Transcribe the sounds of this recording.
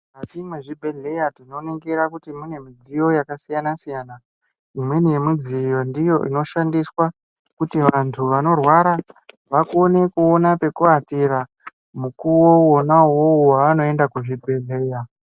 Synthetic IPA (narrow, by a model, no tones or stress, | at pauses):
katimweʐibʱe̞ɮe̞jatino̞neŋɡeɾakutimune̞mid͡zijo̞jakasijanasijana | imwe̞nijemid͡zijo̞ndijo̞ʔḭno̞ʃandiswa | kutiʋantʰuʋano̞rwaɾa | ʋakone̞kuonape̞kuatiɾa | mukuwoonawouwaʋano̞e̞ndakuʐibʱe̞ɮe̞ja